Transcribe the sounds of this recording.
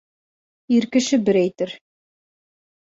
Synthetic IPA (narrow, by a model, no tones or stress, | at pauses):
iɾkɘ̆ʃɘbɘɾæjt̪ɘɾ